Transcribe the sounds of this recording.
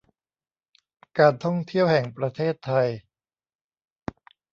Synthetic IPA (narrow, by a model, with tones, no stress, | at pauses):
kaː˧nt̪ʰɔ˥˩ŋt̪ʰi˥˩əwhɛ˨˩ŋpɾa˧t̪ʰeː˥˩t̪ʰːa˧j